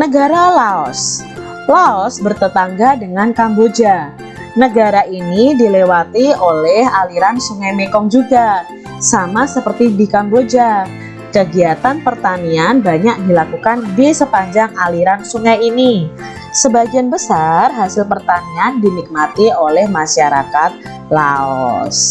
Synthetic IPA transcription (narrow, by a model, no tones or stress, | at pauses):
nəɡaɾalaɔs | laɔsbərt̪ət̪aŋɡadəŋankambod͡ʒa | nəɡaɾaʔinidilewat̪iolɛhaliɾansuŋajmekɔŋd͡ʒuɡa | samasəpərt̪idikambod͡ʒa | kəɡiat̪anpərt̪anianbaɲak̚dilakukandisəpaɲd͡ʒaŋaliɾansuŋajini | səbaɡianbəsarɦasɪlpərt̪aniandinik̚mat̪iolɛhmaʃaɾa̰kat̪̚ | laɔ̰s